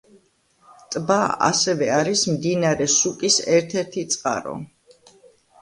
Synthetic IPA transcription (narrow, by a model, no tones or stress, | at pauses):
t̪ʼbaa̰sɛvɛaɾismd̪inaɾɛsukʼisɛɾt̪ʰɛɾt̪ʰit̪sʼqʼa̰ɾɔ̰